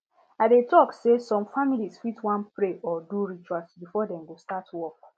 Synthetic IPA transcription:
adetɔksesɔ̃mfamilisfitwãnpɹeʔɔduɹit͡ʃuasbifɔdɛ̃mɡostatwɔk

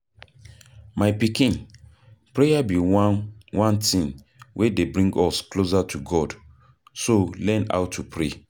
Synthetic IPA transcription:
maɪpikĩn | pɹejabi | wʔãntĩn | wʔedebɹĩŋɡɔsklozatʰuɡɔd | solɛ̃na̰ʊtʰupʰɹe

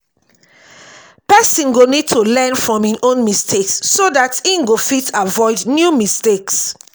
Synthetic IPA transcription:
pɛsĩnɡonid̚tʰulɛnfɹɔ̃mĩnʔõnmistʰeksːodatĩnɡofitʰavɔɪdnjumisteks

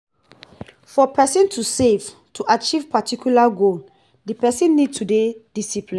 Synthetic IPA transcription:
fɔpʰɛsĩntʰusev̥ | tʰuʔat͡ʃivpatikjulaɡol | dipɛsĩnːid̚tʰuded̥isiplĩ

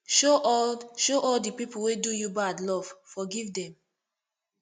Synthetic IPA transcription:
ʃoʃoʔɔldipipuwedujubadlɔv̥fɔɡivdɛ̃m

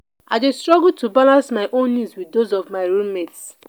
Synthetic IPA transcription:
adestɹɔɡultubalãnsmaɪʔõnːidzwidozɔvmaɪɹulmets

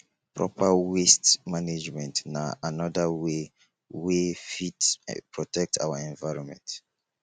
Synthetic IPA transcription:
pɹɔ̰pawestmaned͡ʒmɛ̃ntnaanɔdawe | wefitpɹɔtɛk̚tʰa̰waɛ̃nvaɪɹɔ̃nmɛ̰̃nt

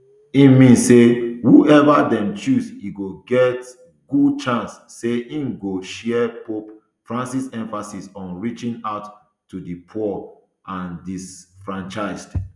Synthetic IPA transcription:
imĩnssehuʔɛvadɛ̃mt͡ʃuziɡoɡɛt | ɡ̥ud̚t͡ʃãnsːeĩnɡoʃɛɛpʰop | fɹãnsisɛ̃ɱfasisɔ̃nɹit͡ʃĩnaʊt | tːudɨpʰɔ | ãndisfɹãnt͡ʃaɪsd̥

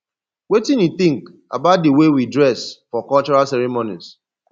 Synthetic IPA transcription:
wetĩniθĩŋk | a̰baʊt̚diwewidɹɛsfɔkɔlt͡ʃɔɹalsɛɹimonḭs

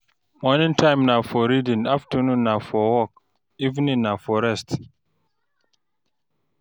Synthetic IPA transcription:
mɔnĩntʰãɪ̃mnafɔɾidĩnaftənũnːafɔwɔk̚ | ivnĩnːafɔɾɛst

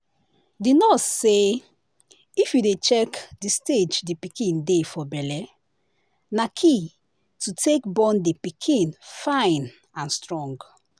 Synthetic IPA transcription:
dinɔse | ifjudet͡ʃɛkdisted͡ʒdipikʰĩndefɔbɛlɛ | nakʰi | tutʰekbɔ̃ndipikʰĩnfãɪ̃n | ãnstɹɔ̃ŋɡ

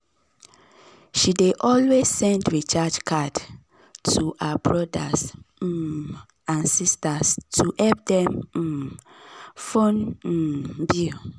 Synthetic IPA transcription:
ʃideʔɔlwez̥sɛ̃ndɹit͡ʃad͡ʒkʰad | tʰuhabɹɔdas̩ | ãnsistastʰuʔɛp̚dɛ̃m̩ | fõn̩ | bu

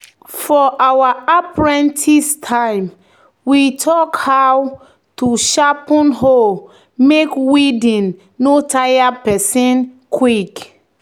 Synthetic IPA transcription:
fɔʔawaapɹɛ̃ntʰistʰãɪ̃m | witʰɔkhaw | tuʃapɔ̃nɦo | mekwidĩnː | otʰajapɛsĩn | kʰwik

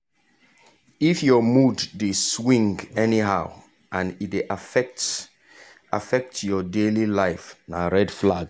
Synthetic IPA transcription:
ifjɔmudːeswĩŋɡɛniɦaʊ | ʔãnitdeʔt | a̰fɛk̚tjɔdelilaɪfnaɹɛdflaɡ

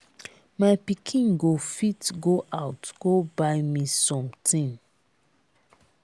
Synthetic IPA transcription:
majpikʰĩnɡofitɡoʔaʊtɡ̥obaɪmisɔ̃mtʰĩn

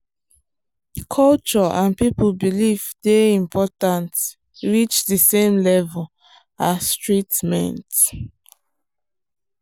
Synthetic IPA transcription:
kʰɔlt͡ʃɔãnpipulbilivdeĩmpʰɔtãnt | ɹit͡ʃdisẽmlɛvɔl | atɹitmɛ̰̃nt

